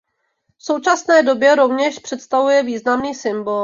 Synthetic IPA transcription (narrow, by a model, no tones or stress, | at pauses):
fso̞wt͡ʃasnɛːdo̞bjɛɾo̞vɲɛʃpr̝̥ɛt̪st̪avujɛviːznamniːsɪmbo